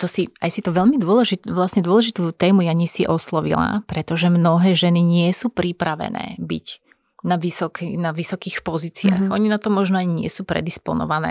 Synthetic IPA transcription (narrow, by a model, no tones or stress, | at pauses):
t̪ɔsia̰jsit̪ɔʋɛʎmid̪ʊɔlɛʒit̪ʋlasɲɛd̪ʊɔlɛʒit̪uːt̪ɛːmujaɲɛsiʔɔslɔʋḭla̰pɾɛt̪ɔʒɛmnɔɦɛːʒɛniɲɪɛsuːpɾipɾaʋɛ̰nɛ̰ːbḭc | naʋisɔkinaʋisɔkiːxpɔziːt͡sia̰xʔɔɲinat̪ɔmɔʒnɔaɲɲɪɛsuːpɾɛ̰d̪ispɔ̰nɔ̰ʋanɛ̰ː